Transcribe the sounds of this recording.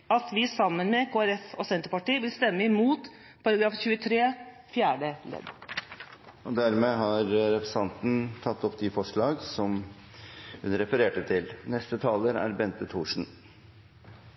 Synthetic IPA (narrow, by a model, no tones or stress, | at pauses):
ɑt̪ʋɪsɑmːənmɛkʰoːæɾɛfɔsɛnt̪əpɑʈiːəʋɪlst̪ɛmːəɪmuːt̪ | pʰɑɾɑɡɾɑːfçʉːət̪ʰɾeː | fjæːɖəlɛ̰d̪ | ɔd̪æɾmeːɦɑɾɾɛpəsɑnt̪n̩t̪ʰɑt̪ːɔpːd̪ɪfɔʂɭɑːɡsɔm | hʉnɾɛfəɾeːʈət̪ʰɪlnɛst̪ət̪ʰɑːləɾæ̰ɾbɛnt̪ət̪ʰuːʂɳ̩